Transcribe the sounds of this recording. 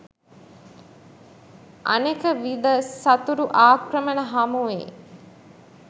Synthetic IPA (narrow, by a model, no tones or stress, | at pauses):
ʔa̰nekəʋid̪əsɐt̪uɾuʔaːkrəmənəɦamuʋḛː